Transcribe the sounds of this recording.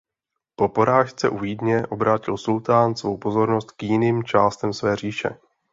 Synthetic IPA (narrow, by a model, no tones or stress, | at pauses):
po̞po̞ɾaːʃt͡sɛʔuvidɲɛʔo̞bɾaːcɪlsult̪aːnsvo̞wpo̞zo̞ɾno̞st̪kjɪniːmt͡ʃaːst̪ɛmsvɛːr̝iːʃɛ̰